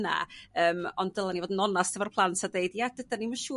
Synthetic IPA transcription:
na̰əːmɔnddəlˠanivoːdən̩ɔnastʰəvarpʰlˠantʰadejdjad̥ədaniməʃuː

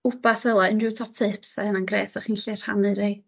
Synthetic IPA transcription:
ʊbaθəlˠaɨnrɪwtʰɔp̚tʰɨːpsɛnanɡrɛ̰ːsaχiːnɬɪr̥ha̰nɨɾej

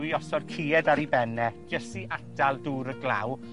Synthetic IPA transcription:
wiɔsɔrkʰiːɛdaɾibɛnɛd͡ʒəsiʔadʰalˠduːɾəɡla̰w

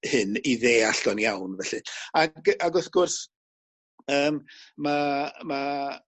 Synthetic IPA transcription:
hɪniðeːaɬd̥ɔnjawnvɛɬɨaɡaɡɔθɡ̥ʊrs | əːmmama

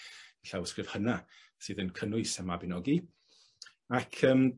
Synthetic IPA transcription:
ɛɬawskrɨv̥həna | sɨːðənkʰənʊɨsəmabɪnɔɡi | akʰəːm

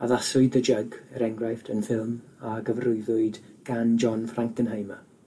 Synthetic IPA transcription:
aðasʊɨdəd͡ʒəɡəɾɛŋɡrajftʰənfɪlˠm | aɡəvrʊɨðʊɨdɡ̥and͡ʒɔnfraŋkənɦəjma

